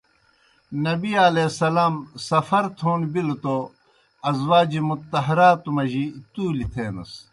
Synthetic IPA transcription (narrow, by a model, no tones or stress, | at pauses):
nɐbialesɐlaːmsɐfɐɾt̪ʰoːnbilt̪o | ɐzwaːd͡ʑimut̪ːɐɦɐɾaːt̪umɐʑit̪uːlit̪ʰeːnɐ̰s